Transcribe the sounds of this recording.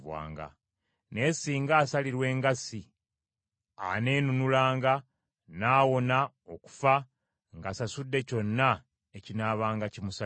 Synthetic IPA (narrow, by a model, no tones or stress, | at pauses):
βwa̰ːŋɡa̰ | ne̞ːsiːŋɡaːsaliɾwe̞ːŋɡasi | a̰ne̞ːnunulaːŋɡa | naːwo̞na | o̞ku̥fa | ŋɡasasudːe̞co̞nːa | ecinaːβaːŋɡacimusa